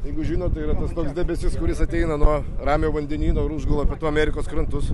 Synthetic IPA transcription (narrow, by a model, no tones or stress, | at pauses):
jɛɪɡʊʒʲiːnoːt̪t̪ːɐɪiːɾɐt̪ɐst̪oːksdʲɛːbʲɛsʲɪskʊɾʲɪsɐt̪ʲɛɪnɐnuɔrɑːmʲoːʋɐnʲd̪ʲɛnʲiːnoːɪɾʊʒɡɐlˠoːpʲɛt̪uɐmʲæːɾʲɪkoːskɾɐnt̪ʊs